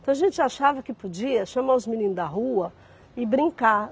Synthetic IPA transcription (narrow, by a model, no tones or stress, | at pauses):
t̪ɐ̃w̃aʒẽnt͡ʃɪaʃavɐkɪpod͡ʒiɐʃɐ̃maʊzminĩnʊd̪ɐɦuɐ | ɪbɾĩŋka